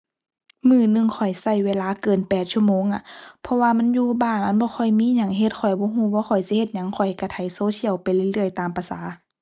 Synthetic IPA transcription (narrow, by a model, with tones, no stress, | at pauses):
mɯː˧˩nɯ˧˨ŋkʰɔ˨˩jsa˧˩jweː˧˥laː˧˥˨kɤː˨˩npɛː˨˩t̪̚t͡ɕʰu˧ə˨moː˧˨ŋʔa˧˨pʰɔ˧waː˧ma˧˥˨njuː˧baː˧˩nʔa˧˥nbɔː˧˦xʰɔ˧˩jmiː˧˥˨ɲa˧˩ŋɦe˧˦t̪̚kʰɔ˨˩jbɔː˧˦ɦuː˧˩˨waː˧˦xʰɔ˨˩jsi˧˦he˧t̪̚ɲa˧˦˨ŋkʰɔ˨˩jka˧˩t̪ʰa˨˩˦jsoː˧˦t̪ʰi˧˨əwpa˨jla˧˨lɯ˧˩˨əjt̪aː˨mpa˧saː˨˦